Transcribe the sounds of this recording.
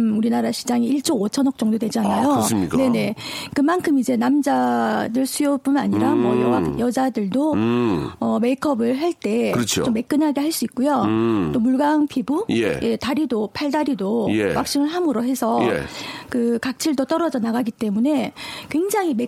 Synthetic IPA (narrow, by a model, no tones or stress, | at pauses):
uɾinaɾaɕʰi̥d͡ʑaŋiiɭt͡ɕ͈ʰoot͡ɕʰʌnʌk̚t͡ɕ͈ʌŋdodwe̞d͡ʑianajoɲkne̞ne̞kɯmankʰɯmid͡ʑe̞namd͡ʑadɯɭsʰujop͈unaɲiɾamwʌjʌŋakjʌd͡ʑadɯɭdo | ʌme̞ikʰʌbɯɭɦaɭt͈e̞kɯʌt͡ɕʰt͡ɕomːe̞k͈ɯnɦaɡeɦaɭs͈uik̚k͈ujot͈omuɭɡaŋpʰibujḛjʔe̞taɾidopʰaɭdaɾidojewak̚ɕ͈iŋɯɭɦamɯɾoɦe̞sʰʌkɯkak̚t͡ɕʰiɭdot͈ʌɾʌd͡ʑʌnaɣaɡit͈e̞mune̞kwe̞ŋd͡ʑaŋɦime